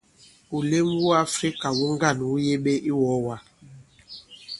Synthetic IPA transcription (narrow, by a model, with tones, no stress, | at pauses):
u˨le˦mwu˦a˦fɾi˦ka˨wu˦ŋ˦ɡa˦˨n˨wu˦je˦ɓe˦ʔi˦wɔ˨˦wa˨